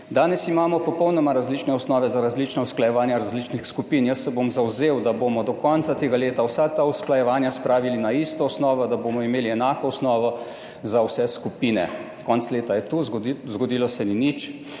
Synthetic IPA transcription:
d̪aːnɛsimaːmɔpɔpɔwnɔmaɾazliːt͡ʃnɛɔsnɔːʋɛzaɾazlit͡ʃnausklajɛʋaːnjaɾazlit͡ʃnixskupiːnjəsːɛbomzawzeːwd̪abomɔd̪ɔkɔnt̪sat̪eːɡaleːt̪awsat̪ausklajɛʋaːnjaspɾaːʋilinaist̪ɔɔsnɔːʋɔd̪abomɔimeːliɛnaːkɔɔsnɔːʋɔ | zawsɛskupiːnɛ̰ | kɔnt̪sleːt̪ajɛt̪uzɡɔd̪iːlɔsɛninit͡ʃ

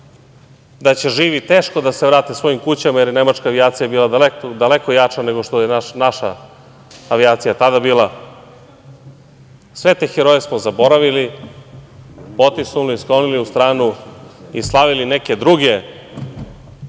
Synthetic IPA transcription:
d̪at͡ɕe̞ʒiːʋit̪e̞ːʃko̞d̪aseʋɾaːt̪isʋo̞jimkut͡ɕamajeɾjene̞mat͡ʃkaːʋiaːt̪sijabiːlˠad̪aled̪ale̞ko̞jat͡ʂane̞ɡo̞ʃt̪ojenanaʃa̰ː | ʋiaːt̪sijat̪ad̪abiːlˠa | sʋe̞t̪exeɾojesmozabo̞ɾaʋili | po̞t̪isnuliːsklˠo̞niliust̪ɾaːnuislˠaʋiline̞ke̞d̪ɾuɡe̞

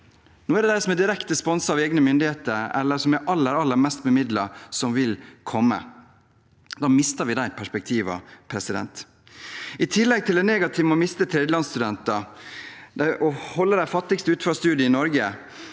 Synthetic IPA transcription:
nuːæɖɛd̪æɪsɔmɛd̪ɪɾɛkt̪əspɔnsəɑʋeːɡnəmʏnd̪ɪheːt̪əɾɛ̰lːəsɔmæɾʔɑlːəɾɑlːəɾmɛst̪bəmɪd̪lɑsɔmʋɪlkʰɔmːə̰ | d̪ɑːmɪst̪əɾʋɪd̪æɪpʰæʂpɛk̚t̪ʰiːʋɑ̰pʰɾɛsɪd̪ɛ̰nt̪ | ɪt̪ʰɪlːɛɡ̚t̪ʰɪld̪ɛneːɡɑt̪ʰɪʋmɔmɪst̪ət̪ʰɾeːd̪əlɑnst̪ʉd̪ɛnt̪ɑ | d̪æʔɔhɔlːəd̪æɪfɑt̪ːɪkst̪əʉːt̪fɾɑst̪ʉːd̪jəɪnɔɾɡə

